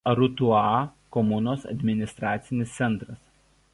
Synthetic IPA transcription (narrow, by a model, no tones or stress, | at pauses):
ɾʊt̪ʊɑkɔmʊnoːsɐ̰d̪ʲmʲɪnʲɪst̪ɾɑːt̪sʲɪnʲɪst̪sʲɛnˑt̪ɾɐs